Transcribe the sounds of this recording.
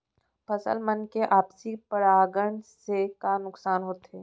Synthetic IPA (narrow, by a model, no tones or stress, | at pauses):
pʰɐsə̰lmənkeʔaːpsipəɾaːɡəɳ̃sekanʊksaːnɦoːt̪ɦeː